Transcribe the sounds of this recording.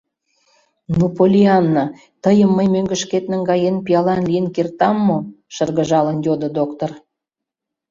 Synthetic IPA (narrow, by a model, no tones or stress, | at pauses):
nupolʲiɑnːa | t̪əjəmːəjmøŋɡə̆ʃket̪nə̆nɡɑjenpijɑlɑnlijənkert̪ɑmːo | ʃərɣə̆ʒɑlənjʲod̪ŏd̪okt̪or